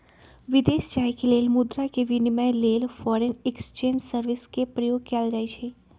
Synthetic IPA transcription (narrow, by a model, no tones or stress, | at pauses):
ʋɪd̪eːst͡ʃaːjkeleːlmʊd̪ɾakeʋɪnmãleːlfɔɾenekst͡ʃẽːɲd͡ʒsəɾʋɪskepɾəjoːɡ̚kɛld͡ʒaet͡ʃʰe